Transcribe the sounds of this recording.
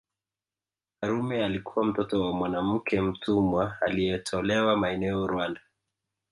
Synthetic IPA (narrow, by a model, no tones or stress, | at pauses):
kaɾumɛalikuwam̩tɔtɔwamwanam̩kʰɛm̩tʰumwaalijɛtʰɔlɛwamaɛnɛɔɾuwanda